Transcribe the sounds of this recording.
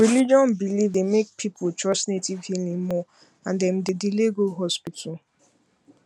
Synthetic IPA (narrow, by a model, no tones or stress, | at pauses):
ɹilid͡ʒɔ̃nbilivdemek̚pʰipʰʊtɹɔt͡ʃnetivhilĩŋmɔ | ãndɛ̃m̩dɪdileɡoɦɔspitʰɔl